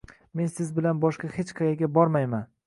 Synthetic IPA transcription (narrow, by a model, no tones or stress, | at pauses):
me̞nsɪzbɪlanbɒʃqɑhet͡ʃqʰɑjaɡʲabɒɾmajman